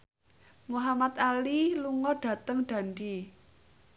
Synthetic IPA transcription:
muɦamat̪aliluŋɔɖ̥ä̤t̪əŋɖ̥a̤nɖi

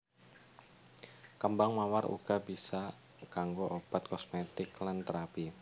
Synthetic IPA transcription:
kəmbaŋmawaɾṵɡ̥abisa | kaŋɡoʔob̥at̪̚kɔsmet̪ɪklant̪əɾapi

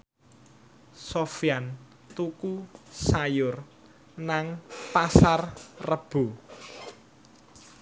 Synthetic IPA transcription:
sofian | t̪ukusajʊr | naŋpasarrəb̥ṳ

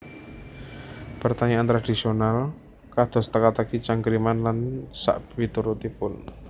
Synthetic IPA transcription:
pərt̪aɲaʔant̪ɾad̪̥i̤sional | kad̪̥ɔ̤st̪əkat̪akit͡ʃaŋɡɾimanlansa̰ʔwit̪uɾut̪ipʊn

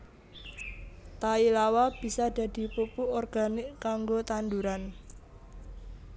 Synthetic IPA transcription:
t̪ailawab̥i̤sad̪̥ä̤d̪̥i̤pupuɔrɡ̥a̤nɪkaŋɡot̪and̪uɾan

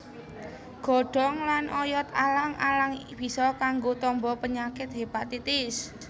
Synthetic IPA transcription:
ɡ̥ɔ̤ɖ̥ɔ̤ŋlanʔɔjɔt̪alaŋalaŋb̥i̤sɔkaŋɡot̪ɔmbɔpəɲakɪt̪̚ɦepat̪it̪ɪs

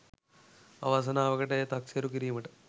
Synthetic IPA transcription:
ɐ̰ʋaːs̬ɐnaːʋɐkɐʈejt̪ɐksɐɾukiɾimɐʈɐ

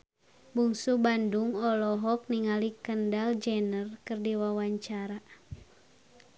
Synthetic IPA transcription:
buŋsubanduŋɔlɔɦɔk̚niŋalikəndald͡ʒɛnərkərdiwawaɲt͡ʃaɾa

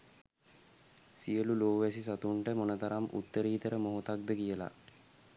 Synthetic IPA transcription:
siəluloːʋæsis̬at̪uɳʈəmonət̪aɾamʔṵt̪ːəɾiːt̪əɾəmoɦot̪ak̚d̪əkijəla̰

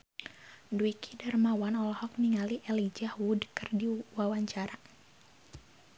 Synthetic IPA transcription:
duikʰidarmawanɔlɔhɔk̚niŋaliʔɛlid͡ʒahwudkərdiwawaɲt͡ʃaɾa

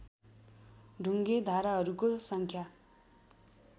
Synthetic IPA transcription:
ɖʱuŋɡed̪ʱaɾaɦʌɾukosʌŋkʰja

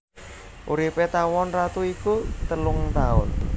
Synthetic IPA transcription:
ʔuɾipet̪awɔnrat̪uikut̪əlʊŋt̪aʊ̰n

